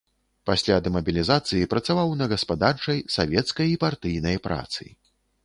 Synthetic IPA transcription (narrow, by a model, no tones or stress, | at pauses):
pasʲlʲad̪ɛmɐbʲilʲizat̪sɨjipɾɐt̪savawnɐɣɐspad̪art͡ʂɐjsavʲɛt̪skɐjipart̪ɨjnɐjpɾʔa̰t̪sɨ̰